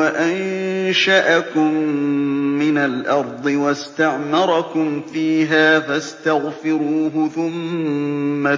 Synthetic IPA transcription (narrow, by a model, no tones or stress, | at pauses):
aʔanʃaʔakʊmː | ɪnalʔɑɾˤd̪ˤɨwast̪aʕmɑɾˤɑkʊmfiːɦaːfast̪aɣfɪɾuːɦʊθʊmmː | a